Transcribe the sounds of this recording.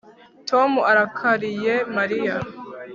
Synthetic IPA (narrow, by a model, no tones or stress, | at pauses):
tʰomuaɾakʰaɾije̞maɾija